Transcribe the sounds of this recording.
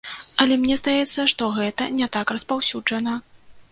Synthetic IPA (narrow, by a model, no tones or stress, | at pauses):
ɐlʲɛmnʲɛzd̪ajɛt̪sːɐʂt̪ɔɣɛt̪ɐnʲɛt̪akrɐspawsʲud͡ʐɐnɐ